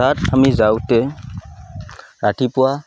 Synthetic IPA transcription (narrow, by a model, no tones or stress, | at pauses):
atamizawtɛ | ɾaʈʰipɔwa